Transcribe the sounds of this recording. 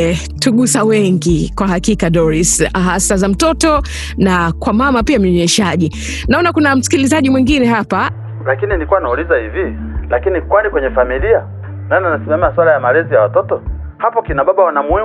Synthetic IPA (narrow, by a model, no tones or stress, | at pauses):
tuɡusawɛŋɡikwaɦakikaɗɔɾisaɦasazam̩tɔtɔ | nakwamamapiam̩ɲɔɲɛʃaʄi | naɔnakunam̩si̥kilizaʄimwiŋɡinɛɦapa | lakininikuwanaulizahivi | lakinikwanikwɛɲɛfamilia | nananasimamɛaswalajamalɛzijawatɔtɔ | hapɔkinaɓaɓawanamuɛ